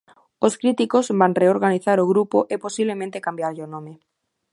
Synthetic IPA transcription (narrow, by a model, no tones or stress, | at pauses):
oskɾit̪ikozβanreoɾɣaniθaɾoɣ̞ɾupoʔeposiβlemẽnt̪ekambjaɾʎonõme